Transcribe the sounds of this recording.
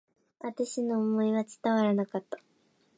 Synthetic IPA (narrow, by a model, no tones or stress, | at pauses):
at̪eɕino̞ːmo̞iβat͡ɕi̥t̪aβaɾanakat̪ːḁ